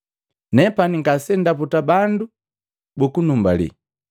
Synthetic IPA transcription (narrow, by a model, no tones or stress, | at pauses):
nɛpaniŋɡasɛndaputabandu | bukunumbalḭ